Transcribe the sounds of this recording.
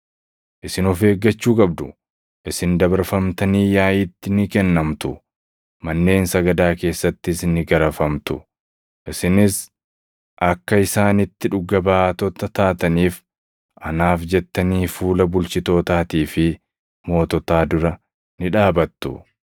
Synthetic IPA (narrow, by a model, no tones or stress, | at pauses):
ʔɪsɪnɔfe̞ːɡːɐt͡ʃːuːkʼɐbd̪ʊ | ʔɪsɪnd̪ɐbɐɾfɐmt̪ɐniːjaːʔɪt̪ːɪnɪkɛnːɐmt̪ʊ | mɐnːe̞ːnsɐɡɐd̪aːke̞ːsːɐt̪ːɪsnɪɡɐɾɐfɐmt̪ʊ | ʔɪsɪnɪs | ʔɐkːɐɪsaːnɪt̪ːɪᶑʊɡːɐbaːt̪ɔt̪ɐt̪aːt̪ɐniːf | ʔɐnaːfd͡ʒɛt̪ːɐniːfuːlɐbʊlt͡ʃɪt̪o̞ːt̪aːt̪iːfɪ | mo̞ːt̪ɔt̪aːd̪ʊɾɐ | nɪᶑaːbɐt̪ːʊ̰